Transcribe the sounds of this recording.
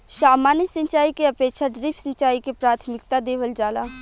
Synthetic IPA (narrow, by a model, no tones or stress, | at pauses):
ʃaːmaːnisə̃ɲt͡ʃaːikeəpeːkʃaɖɾiːpʰsə̃ɲt͡ʃaːikepɾaːt̪ʰmɪkt̪ad̪eːʋəld͡ʒaːlaː